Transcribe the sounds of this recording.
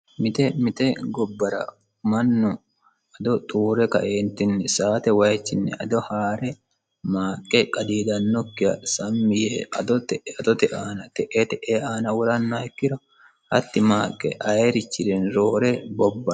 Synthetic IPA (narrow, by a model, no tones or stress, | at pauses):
mɪt̪ɛmɪt̪ɛɡɔbːɐɾɐ̰ | mɐnːɔ | ɐd̪ɔt̪ʼuːɾɛkɐ̰ʔeːnt̪ːɪnːɛsaːt̪ɛwɐjt͡ʃːɪnːɛ̰ʔɐd̪ɔhaːɾɛ | maːkʼːɛkʼɐd̪iːd̪ɐnːɔkːɪjɐsɐmːɪjeɐd̪ɔt̪ɛɐt̪ɔt̪ɛʔaːnɐt̪ɛʔet̪ɛʔeaːnɐwɔɾɐnːɛkːɪd̪ɔ | hɐt̪ːɪmaːkʼːɛ̰ʔɐeɾɪt͡ʃːɪd̪ɛnɾo̞ːɾɛbɔbːɐ